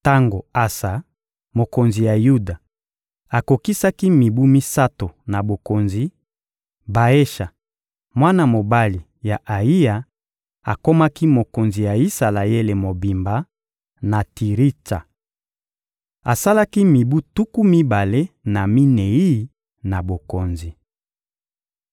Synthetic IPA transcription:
ta˦ŋɡo˨a˨sa˨ | mo˨ko˨nzi˨ja˨ju˦da˨ | a˨ko˨ki˦sa˦ki˦mi˨bu˦mi˦sa˦to˨na˨bo˨ko˨nzi˨ | ba˨e˦ʃa˨ | mwa˦na˨mo˨ba˦li˨ | ja˨ʔa˨i˦ja˨ | a˨ko˦ma˦ki˦mo˨ko˨nzi˨ja˨i˦sa˨la˨e˦le˨mo˨bi˨mba˨˦ | na˨tʰi˨ʁi˦ta̰˨ | a˨sa˦la˦ki˦mi˨bu˦tu˦ku˦mi˦ba˨le˦na˨mi˦ne˨i˦˨˦ | na˨bo˨ko˨nzi˨

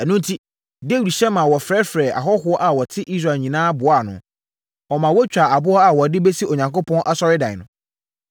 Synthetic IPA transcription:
æ˨nʊ̃˦n˦tʰi˦ | de˦wu˨dɕɛ˦mã˨wɔ˨fɾɛ˦fɾɛ˨ʔa̰˨ɦɔ˦ɦʊ˦ɔ˦ʔa˨wɔ˨tʰɪ˦ʔi˦s̬ɾa˨ɲĩ˨nãː˦bʊ˨a˦˨nʊ̃˨ | ɔ˨mã˨wɔ˦t͡ɕᶣa˨a˨bʊ˦ɔ˦a˨wɔ˨dɪ˦bɛ˦si˦o˨ɲã˨ŋko˦pʰɔ̃˦n˦ʔa˦sɔ˦ɾɪ˦dã˨ɪ˨nʊ̰̃˨

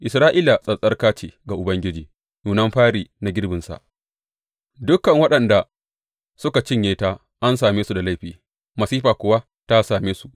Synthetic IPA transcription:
ʔɪ˨sɾaː˦ʔɪ˦la˨sʼɐ˨sʼɐ˦rkaː˦t͡ʃeː˨ɡa˨ʔʊ˨bɐ˦ŋɡʲɪ˦d͡ʒiː˨ | juː˨nɐ˦mɸaː˦ɽiː˨na˨ɡʲɪ˦ɽbɪ˨nsa̰˨ʔ | dʊ˦kːɐ˨ŋwɐ˦ɗɐ˨nda˨ | sʊ˦ka˨t͡ʃɪ˦˨ɲjeː˦taː˦ | ʔa˦nsaː˨meː˦su˨da˨la˦˨jɸiː˨ | mɐ˨siː˦ɸaː˨kʷʊ˦wa˦ | ta˦saː˨meː˦su˦ʔ

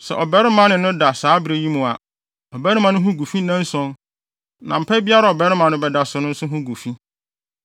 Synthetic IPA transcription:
sɛ̰˨ʔɔ˨bɛ˦ɾɪ˦mã˨nɪ̃˨nʊ̃˦da˨saː˦bɾe˨ji˦mʊ̃˨a˨ | ɔ˨bɛ˦ɾɪ˦mã˨nʊ̃˦ɦũ˦ɡu˨fi˦nã˦n˦sɔ̃˦n | nã̰˨m̩˨pʰɛ˦bi˦a˦ɾa˨ɔ˨bɛ˦ɾɪ˦mã˨nʊ̃˦bɛ˨da˨sʊ˨nʊ̃˦n̩˦sʊ̃˦ɦʊ̃˦ɡu˨fi˦

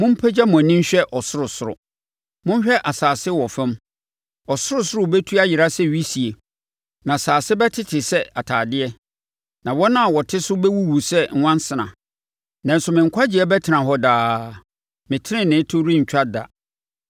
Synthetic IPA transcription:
mʊ̃˦m̩˦pʰɛ˦d͡ʑa˦mʊ̃˨nĩ˦ɲ̩˦ɕᶣɛ˦ʔɔ˨sʊ˦ɾʊ˨sʊ˨ʊ̰˨ | mʊ̃˦ɲ˦ɕᶣɛ˦ʔa˨saː˨sɪ˦wɔ˨fɪ̃˦m | ɔ˨sʊ˦ɾʊ˨sʊ˦ɾʊ˦˨bɛ˦tʰu˦a˦jɪ˨ɾa˦sɛ˦˨ɥi˦si˨e˨ | nã˨saː˨sɪ˦bɛ˦tʰɪ˦tʰɪ˨sɛ˦a˨tʰaː˨dɪ˦ɛ˦ | nã˨wɔ˦nã˦˨wɔ˨tʰɪ˦sʊ˦bɛ˦wu˦wu˨sɛ˦ŋ̩˨wã˦n˦sɪ˨nã̰˨ | nã˨n̩˨sʊ˨mɪ̃˨ŋ̩˨kʰʷa˦d͡ʑɪ˨ɛ˦bɛ˦tʰɪ˨˦nã˨ɦɔ˦daː˨ | mɪ̃˨tʰɪ˦nɪ̃˦nɪ̃˨˦tʰʊ˦ɾi˦ɲ̩˨t͡ɕᶣa˦da̰˨

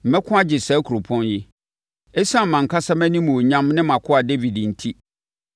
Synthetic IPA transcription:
m̩˨mɛ˦kʰʊ̃˦a˦d͡ʑɪ˨sɛː˦kʰu˨ɾo˨pʰɔ̃˦njɪ˦ | ɛ˦sã˦m̩˨mã˨ŋ̩˨kʰa˦sa˦mæ̃˦nĩ˦mũ˨o˨ɲã˦mnɪ̃˦mã˨kʰʊ˦a˨de˦vi˨dn̩˨tʰi˦

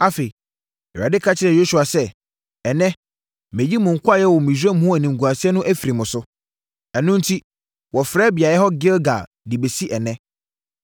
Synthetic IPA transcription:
a˦fe˨i˨ | ɛ˨a˨dɪ˦kʰa˦t͡ɕʰɪ˦ɾɛ˨jo˦su˨a˨sɛ˦ | ɛ˨nɛ̃˦ | mẽ˨d͡ʑi˦mʊ̃˨ŋ̩˨kʰʊ˦a˦jɛ˦wɔ˨mĩ˨su˦ɛ˦m̩˦ʊ̃˦æ˨nĩ˨ŋ̩˨ɡu˨a˨si˦ɛ˦nʊ̃˦ʔæ˦fi˨ɾi˨mʊ̃˨sʊ˦ | ɛ˨nʊ̃˦n̩˦tʰi˦ | wɔ˨fɾɛː˦bɪ˨a˨jɛ˦ɦɔ˦ɡɪ˦lɡa˨ | dɪ˨be˨si˦ʔɛ˨nɛ̃˦

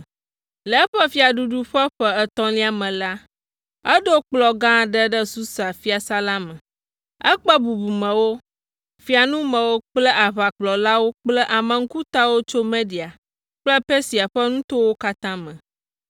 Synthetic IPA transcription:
lɛ˨˦ɸɛ˦fi˦a˨ɖu˨ɖu˦ɸɛ˦ɸɛ˦ɛ˨t̪ɔ̃˦li˦a˨mɛ̃˨la˦ | ɛ˦ɖo˦k͡plɔ˨ɡã˦ɖɛ˦ɖɛ˦su˦sa˨fi˦a˨sa˦la˦mɛ̃˨ | ɛ̰˦k͡pɛ˦bu˨bu˨mɛ̃˨wo˦ | fi˨a˨nũ˦mɛ̃˨wo˦k͡plɛ˦ʔa˨βa˨k͡plɔ˨la˦wo˦k͡plɛ˦ʔa˨mɛ̃˨ŋ̩˦ku˦t̪a˦wo˦t͡ʃo˦mẽ˦di˨a˨ | k͡plɛ˦pe˦si˨a˨ɸɛ˦nũ˦t̪o˦wo˦ka˦t̪ã˦mɛ̃˨

